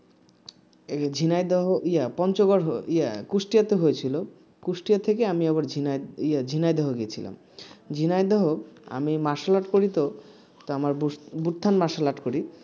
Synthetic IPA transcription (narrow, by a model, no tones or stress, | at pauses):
d͡ʑʱinajd̪ɔɦoʔijapɔnt͡ɕoɡoɾɦoiakusʈijat̪eɦojet͡ɕʰilo | kuʃʈijat̪ʰekeamiɛβaɾd͡ʑʱinaiad͡ʑʱinajd̪ɔɦoɡiet͡ɕʰila̰m | d͡ʑʱinajd̪ɔɦoa̰mimaʃalaʈkoɾit̪o | t̪oamaɾbubuʈt̪ʰːanmaʃalaʈkoɾi